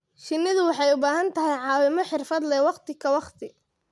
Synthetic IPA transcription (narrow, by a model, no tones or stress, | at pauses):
ʃɪnːɪðʊwɑħɑjʊbaːɦɐnt̪ʰɐɦɛjʕɑːwɪmɔħɪrfɐd̪lɛwɑqt̪ʰɪkʰɐwɑqt̪ʰɪ